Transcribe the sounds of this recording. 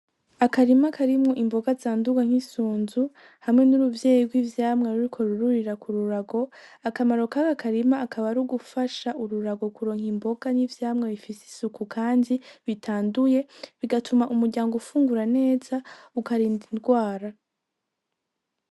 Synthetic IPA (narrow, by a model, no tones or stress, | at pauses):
akaɾimakʰaɾimŋo̞ʔimbo̞ɡazaːnduɡaŋ̥hisuːnzu | hamŋe̞nuɾuvje̞ːjiɡwiːvjaːmŋeɾuɾikʰo̞ɾuɾuɾiɾakuɾuɾaɡo̞akamaɾo̞kakakaɾimaːkaβaɾuɡufaʃaʔuɾuɾaɡo̞kuɾo̞ːŋ̥himbo̞ɡ̥anivjaːmŋeβifisi̥sukʰukʰaːndiβitʰaːnduje̞βiɡatumaʔumuɾɟaːŋɡoufuːŋɡuɾane̞ːz̥aukaɾiːndinɡwaːɾa